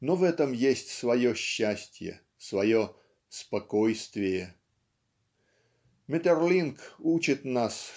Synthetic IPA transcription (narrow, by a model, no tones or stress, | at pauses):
novɛt̪əmjesʲtʲsvɐjoɕːæsʲtʲjə̰ | svɐjo | spɐkojst̪vʲɪjə | mʲɪt̪ʲerlʲinkut͡ɕɪt̪nas